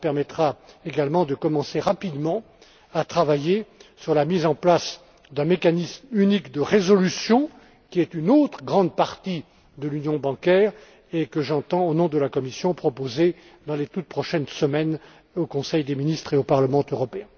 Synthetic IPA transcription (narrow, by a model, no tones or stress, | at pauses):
pɛʁmɛt̪χaeɡalmɑ̃d̪əkɔmɑ̃seʁapid̪mɑ̃ | at̪χavajesyʁlamizɑ̃plas | d̪ɛ̃mekanismynikd̪əʁezɔlysjɔ̃ | kʲiɛt̪ynot̪χəɡʁɑ̃d̪paʁt̪i | d̪əlynjɔ̃bɑ̃kʲɛːʁ | ekəʒɑ̃t̪ɑ̃onɔ̃d̪əlakɔmisjɔ̃pχɔpoze | d̪ɑ̃let̪ut̪̚pχɔʃɛnsəmɛn | okɔ̃sɛjd̪eminist̪χeopaʁləmɑ̃øʁɔpeɛ̃